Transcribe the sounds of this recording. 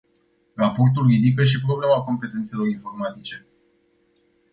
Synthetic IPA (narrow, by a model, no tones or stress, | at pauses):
rapo̞rt̪̬ulrid̪ikəʃ̬ipɾo̞blemako̞mpe̞t̪et̪se̞lo̞ɾinfo̞rmat̪it͡ʃe̞